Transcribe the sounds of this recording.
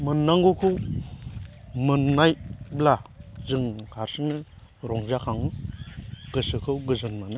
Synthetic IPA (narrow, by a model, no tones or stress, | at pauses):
mɯnːaŋɡukʰɯw | mɯnːajblazɯŋkʰaɾsɯnɯ | ɾɔŋzakʰaŋɯ | ɡ̥ɯsɯkʰɯwɡɯzɯnmanɯ